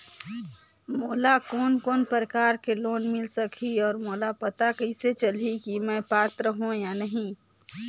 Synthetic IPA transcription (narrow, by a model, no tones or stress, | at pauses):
moːlakoːnkoːnpəɾəkaːɾkeloːnmɪlsəkʰiɔːɾmoːlapɐt̪akəɪset͡ʃəlikimɛ̃paːt̪ɾəɦõjanəɦĩ